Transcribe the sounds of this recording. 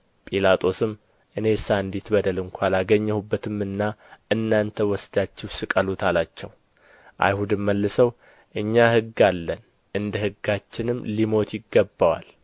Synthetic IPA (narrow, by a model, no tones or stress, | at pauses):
pʼilat̪ʼo̞sɨmː | ʔɨne̞saɨnd̪it̪bəd̪əlɨŋkʷʰalaɡəɲːɛhubːət̪ʰɨmːɨnːaʔɨnːant̪ʰəwɔsd̪at͡ʃːɪhsɨkʼəlut̪ʰalat͡ʃːɛw | ʔa̰jhud̪ɨmːəlːɨsəw | ʔɨɲːahɨɡːalːən | ʔɨnd̪əhɨɡːat͡ʃːɪnɨmːlimo̞t̪ʰjɪɡːəbːawa̰l